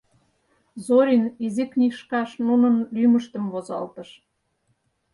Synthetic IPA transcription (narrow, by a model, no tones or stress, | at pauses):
zoɾʲiniziknʲiʃkɑʃnunɤ̆nlymə̆ʃt̪ə̆mvozɑ̰lt̪ə̆ʃ